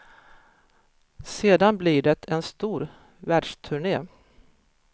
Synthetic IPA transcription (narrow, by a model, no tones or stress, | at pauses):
seːd̪anblɪɖɛt̪ʰɛnst̪uːɾ | væːɖʂt̪ʰɵɳeː